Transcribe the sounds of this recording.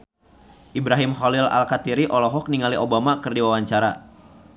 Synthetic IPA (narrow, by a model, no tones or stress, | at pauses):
ʔibɾaɦimχɔlila̰lkat̪iɾiʔɔlɔɦɔk̚niŋaliʔobamakɨrdiwawaɲt͡ʃaɾa